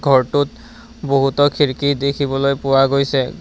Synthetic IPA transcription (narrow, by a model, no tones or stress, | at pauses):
ɡʱɔɹtut | boɦutɔkʰiɹkidekʰibɔlojpʊwaɡojsɛ